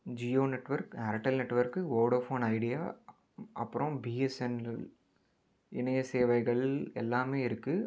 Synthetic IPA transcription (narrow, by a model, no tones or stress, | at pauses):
d͡ʒioːnɛʈːʋɐɾknɐɾɐʈːɐlnɛʈːʋɐɾkːɯʋoːɾɽɾfoːnɐɪɽɪjaː | ʔɐ̰pːɯɾõbiːɛsɛn | ɪnɐjɐseːʋɐɪɣɐɭɛlːaːmeːɪɾɯkːɯ